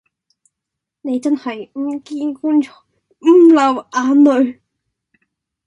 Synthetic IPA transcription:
ne˨˧jt͡sɐ˥nhɐ˨jm̩˥˩kiː˥nku˥nt͡ʃɔ̥˨˥˩ | m̩˥˩lɐ˨˧wʔaː˧nɵ˨˧ɥ

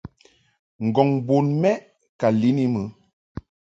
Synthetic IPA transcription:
ŋ̩˨ɡɔ˨ŋbo˨nmɛ˦ʔ | ka˨li˨˦ni˦mə˨˦

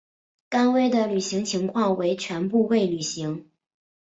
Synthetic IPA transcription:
ka˥nwe˥ɪd̪ə˨ly˨˩ɕi˧˥ŋt͡ɕʰi˧˥ŋkʰwɑ˥˩ŋwe˧˥ɪt͡ɕʰɥɛ˧˥npu˥˧we˥˩ɪly˨˩ɕi˧˥ŋ

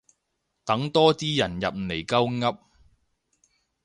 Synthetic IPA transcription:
t̪ɐ˨˥ŋt̪ɔː˥t͡siː˥jɐ˨˩njɐ˨p̚le˨˩jkɐ˥wŋɐ˥p̚

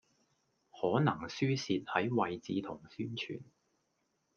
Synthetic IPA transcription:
hɔː˨˥nɐ˨˩ŋsyː˥siː˧t̚hɐ˨˥jwɐ˨jt͡siː˧t̪ʰʊ˨˩ŋsyː˥nt͡ʃʰy̰ː˨˩n

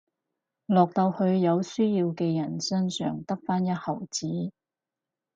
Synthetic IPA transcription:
lɔː˨k̚t̪ɐ˧whɵ˧ɥjɐ˨˧wsɵ˥jiː˧wkɛː˧jɐ˨˩nsɵ˥nsœ̰ː˨˩ŋt̪ɐ˥k̚faː˥njɐ˥t̚hɐ˨˩wt͡siː˨˥

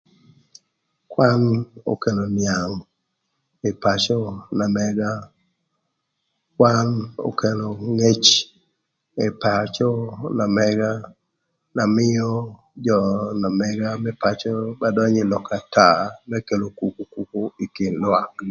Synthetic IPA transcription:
kwa˦no̰˦ke˨lo˨nja˨ŋ | e˨pa˨t͡ʃɔ˦na˨mɛɡa˦ | kwa˦no̰˨ke˨lo˨ŋe˦t͡ʃ | e˨pa˨t͡ʃɔ˦na˨mɛ˦ɡa˦ | na˨mɪ˦jo˦ | d͡ʒɔ˨na˨mɛ˦ɡa˦mɛ˦pa˦t͡ʃo˦ba˨dɔ˦ɲe˨lɔ˨ka˨ta˦˨mɛ˦ke˨lo˨ku˨ku˦ku˦ku˦i˨kɪ˨nla˨ŋ

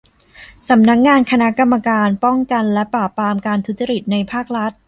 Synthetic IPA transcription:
sa˩˦mna˦˥k̚ŋaː˧nkʰa˧na˦˥ka˧mːa˧kaː˧npɔ˥˩ŋka˧nlɛ˦˥paː˨˩pːɾaː˧mkaː˧nt̪ʰu˦˥t̪̚t͡ɕa˧ɾi˨˩t̪̚na˧jpʰaː˥˩k̚ɾa˦˥t̪̚

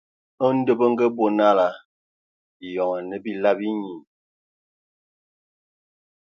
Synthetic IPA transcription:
ə˦n̩˦də˦bə˦ŋ̩˦ɡə˦bo˨na˦la˨ | i˨jɔ˨ŋə˨nə˨bi˦la˦bi˦ɲi˨

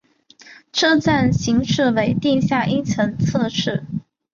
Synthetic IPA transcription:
ʈ͡ʂʰɤ˥˧t͡sa˥˩nɕi˧˥ŋʂɻ̩˥˩we˧˥ɪt̪i˥˧ɕja˥˩ʔi˥nt͡sʰɤ˧˥ŋt͡sʰɤ˥˧ʂɻ̩˥˩

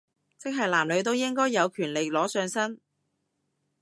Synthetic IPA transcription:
t͡sɪ˥k̚ɦɐ˨jlaː˨˩mlɵ˨˧ɥt̪̬o˥wjɪ˥ŋkɔː˥jːɐ˨˧wkʰyː˨˩nle˨jlɔː˨˥sœː˧ŋsɐ˥n

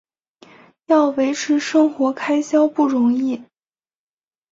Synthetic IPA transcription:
jɑ˥˩ʊwe˧˥ɪʈ͡ʂʰɻ̩˧˥ʂɤ˥ŋxwɔ˧˥kʰa˥ɪɕjɑ˥ʊpu˥˩ɻʊ˧˥ŋi˥˩

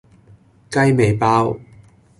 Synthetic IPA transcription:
kɐ˥jme˨jpaː˥w

